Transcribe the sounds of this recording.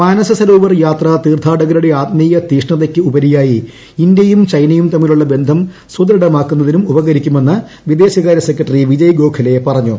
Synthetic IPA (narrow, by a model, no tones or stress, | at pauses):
maːnɐsɐsɐloːʋɐrjaːt̪rɐt̪iːrt̪ʰaːɽɐɣɐluɽe̞aːt̪miːjɐt̪iːʂɳɐðekʲːɨubɐɾijaːjiː | nd̪jɐjumt͡ɕɐjnɐjumt̪ɐmːiluɭːɐbe̞nd̪ʱɐmsud̪ɐɾɐɽɐmaːkːunːɐðinumubɐɣɐɾikʲːume̞nːɐ | ʋid̪e̞ːɕɐɣaːɾjɐsekːɾɐʈːɐriʋid͡ʑɐjɡo̞ːkʰɐlepɐrɐɲːṵ